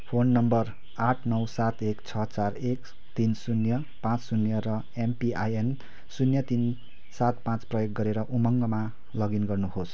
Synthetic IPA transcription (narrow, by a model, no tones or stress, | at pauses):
pʰonːʌmbʌr | aʈʰnʌwsat̪ekt͡sʰʌt͡sarek | t̪insunjʌ | pãt͡ssunjʌɾʌ | empiajen | sunjʌt̪in | sat̪̚pãt͡sprʌjok̚ɡʌɾeɾʌʔumʌŋɡʌma | lʌɡinɡʌrnuɦos